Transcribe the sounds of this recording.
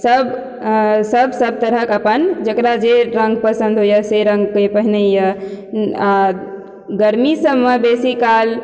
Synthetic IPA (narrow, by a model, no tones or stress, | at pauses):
səb | səbʱsəb̚t̪əɾəkəpənd͡ʒəkɾad͡ʒeɾəŋɡpəsə̃nd̪ʱɦojəseɾə̃ŋɡ̚kəpəɦinejə | a | ɡəɾmisəbmebesikal